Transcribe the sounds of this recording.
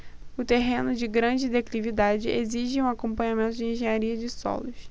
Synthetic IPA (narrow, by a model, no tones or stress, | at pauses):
ʊt̪eɦẽnʊd͡ʒɪɡɾɐ̃d͡ʒɪd̪eklivid̪ad͡ʒɪʔeziʒɪũakõmpɐ̃ɲamẽnt̪ʊd͡ʒɪẽʒẽɲaɾiɐd͡ʒɪsɔ̰lʊs